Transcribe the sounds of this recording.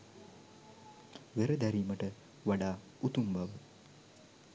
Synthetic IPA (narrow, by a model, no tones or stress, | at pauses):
ʋeɾəd̪æɾiːməʈə | ʋaɖaː | ut̪umbaʋə